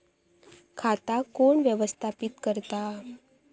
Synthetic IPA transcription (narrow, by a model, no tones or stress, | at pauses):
kʰat̪akoɳʋjəʋəst̪ʰapit̪kəɾt̪a